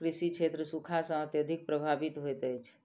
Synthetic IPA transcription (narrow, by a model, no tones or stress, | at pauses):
kɾisit͡ʃʰet̪ɾəsukʰasə̃ət̪jəd̪ʱik̚pɾəbʱabit̪ɦojt̪əjt͡ʃʰ